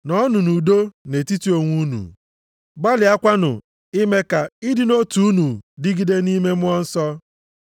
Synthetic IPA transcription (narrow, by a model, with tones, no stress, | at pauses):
nɔ˦nʊ˨nu˨do˦ne˨ti˦ti˦o˨ŋʷu˦nṵ˨ | ba˦lɪ˨a˦kʷa˦nʊ̰˨ | ɪ˦me˦ka˨ɪ˦dɪ˦no˦tu˨u˦nu˨dɪ˦ɡi˨de˦ni˦me˦mʊ˦ɔ˦n̩˦sɔ˦